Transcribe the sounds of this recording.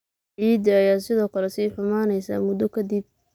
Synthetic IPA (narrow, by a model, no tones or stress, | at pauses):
ʕiːd̪iɐjaːsɪðɔːkʰɐlɛsiːħʊmaːnɛjsa̰ːmʊd̪ɔkʰɐd̪ib̚